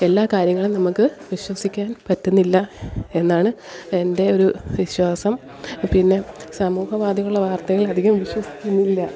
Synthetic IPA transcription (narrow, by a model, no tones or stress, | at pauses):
e̞lːaːkaːɾjɐŋːɐɭunɐmukːɨʋiɕwɐsikʲːaːnpɐtːunːilːɐe̞nːaːɳɨende̞o̞ɾuʋiɕwaːsɐm | pinːe̞sɐmuːhɐʋaːd̪ʱɐɣɐuɭːɐʋaːrt̪ɐɣɐɭɐd̪ʱiɣɐmʋiɕwɐsi̥kʲːunːilːɐ